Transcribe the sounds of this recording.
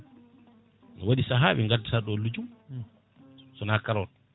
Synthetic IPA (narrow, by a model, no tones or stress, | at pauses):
nɔwaɗisaɦaːwiŋɡatisaɗɔlːud͡ʒum | sɔnakaɾɔt